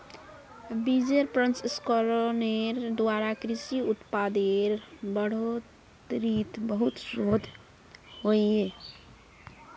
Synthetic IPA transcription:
bid͡ʒeɾpɾə̃nsskoɾoneɾd̪waɾakɾisiut̪pad̪eɾbəɽ̤o | t̪ɾit̪bəɦut̪sod̪ʱ | ɦoie

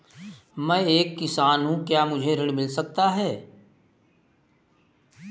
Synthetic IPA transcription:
mɛ̃eːkːɪsaːnɦũkjaːmʊd͡ʒʱeɾɪɽmɪlsɐk̚t̪aɦɛː

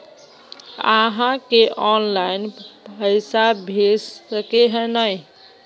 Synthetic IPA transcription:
aɦãkeʔɔnlajnpəɪsabʱessəkeɦənəj

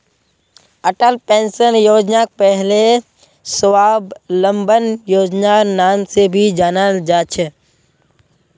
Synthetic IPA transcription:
əʈəlpẽːnsənjoːd͡ʒnak̚pɛɦle | səwaːblə̃mbənjoːd͡ʒnanaːmsebʱid͡ʒaːnad͡ʒaːt͡ʃʰə

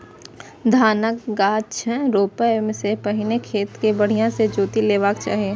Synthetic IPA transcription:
d̪ʱaːnəkɡaːt͡ʃɛ̃ɾoːpəmsepɐɦɪnekʰeːt̪kebəɽ̤ijãsed͡ʒoːt̪ileːʋaːkt͡ʃa̰ːɦieː

